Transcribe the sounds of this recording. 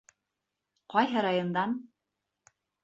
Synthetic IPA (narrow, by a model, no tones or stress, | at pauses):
qɒjɦɤɾɑjond̪ɑn